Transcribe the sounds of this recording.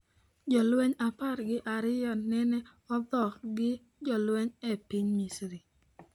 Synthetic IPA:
d͡ʒɔlweɲapaɾɡɪʔaɾɪjɔnɛnɛ | ɔdɔkɡɪ | d͡ʒɔlweɲɛpiɲmisɾi

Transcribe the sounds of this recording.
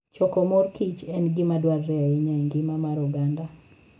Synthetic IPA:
t͡ʃɔkɔmorkit͡ʃɛnɡɪmadwarːɛaiɲaeŋɡɪmamaɾuɡanda

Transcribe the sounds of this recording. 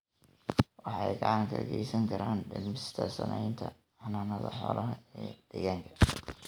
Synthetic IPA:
wɑħɑejɡɑʕɑŋkʰɐɡɛjsɐŋkʰɐɾaːnɖɪlmɪst̪ʰɐsɐnʔɛjnt̪ʰɐ | ɑnaːnɐðɐħɔ̰ːlʔɐɦɐɛːd̪̥ɛɣaːŋkʰɐ̥

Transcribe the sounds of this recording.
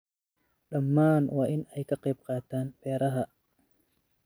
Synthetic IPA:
ɗɐmːaːnwɑːʔɪnɛjkʰɐqɛjb̚qɑːt̪ʰaːnbɛːɾɐɦɐ

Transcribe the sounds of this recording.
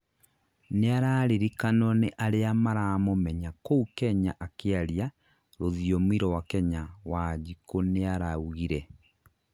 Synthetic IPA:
neaɾaːɾeɾikanɔneʔaɾeamaɾaːmomɛɲakoukɛɲaʔakeaɾia | ɾoðiɔmiɾɔwakɛɲawad͡ʒikoneaɾauɣiɾɛ

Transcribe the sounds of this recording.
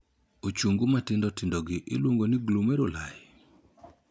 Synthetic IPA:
ot͡ʃuŋɡomatɪndɔtɪndɔɡɪʔɪ̰lwoŋɡonɪɡlomɛɾolaj

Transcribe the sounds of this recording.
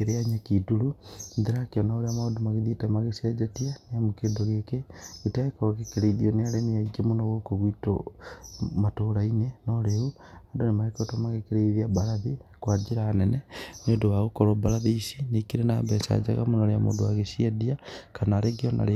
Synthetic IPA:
eɾeaɲakiduɾunðiɾakionaoɾeamaodumaɣeðitamaɣesed͡ʒetianeamukeːdoɣekeɣitaekoɣekeɾeiðionealemiaiɡemunoɣokoɣwito̰ | matoɾainenoleu | adonemaɾekotomaɣekeɾeiðiaβalaðikwad͡ʒiɾaːneneniodowaɣukoɾoβaɾaðiisinekiɾenaβesa̰d͡ʒa̰ɣa̰munaɾeamo̰duwaɣeʃiediakanaɾeɡiona̰le

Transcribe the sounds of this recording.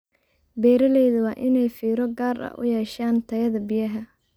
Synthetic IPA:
bɛːɾɐlɛjðʊwɑːʔɪnɛjfiːɾɔɡaːrɐ̰ʔʊ̰jɛːʃaːnt̪ʰɐjɐðɐbɪjɐɦɐ

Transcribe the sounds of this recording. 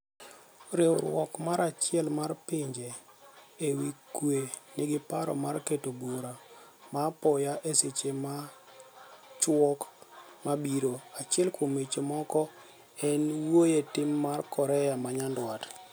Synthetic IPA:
ɾeoɾwɔ̰kmaɾat͡ʃɪɛlmarpɪɲd͡ʒe | ewikwenɪɡɪpaɾɔ̰marketobuɾa | mapɔjaʔeset͡ʃema | t͡ʃwɔkmabiɾoat͡ʃɪɛlkʰomet͡ʃomɔkɔ | ɛnwojetɪmːarkɔɾɛjamaɲandwat

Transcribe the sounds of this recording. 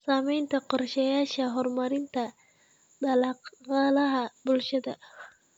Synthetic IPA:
saːmɛjnt̪ʰɐqɔrʃɐjaːʃɐɦɔrmɐɾɪnt̪ʰɐ | d̪ɐlɐqɑlɐɦɐbʊlʃɐd̪ɐ

